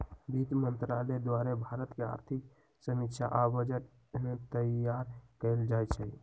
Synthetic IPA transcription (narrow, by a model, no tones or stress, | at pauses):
bit̪mənt̪ɾaled̪waɾɛbʱaɾət̪kea̰ɾt̪ʰik̚ | səmikt͡ʃʰa̰ʔabəd͡ʒə | met̪əjaɾkəld͡ʒajt͡ʃʰə